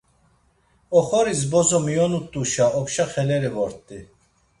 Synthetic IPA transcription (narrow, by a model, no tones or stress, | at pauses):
ɔχɔɾisbɔzɔmijɔnut̪ʼuʃaɔpʃaχɛlɛɾivɔɾt̪ʼi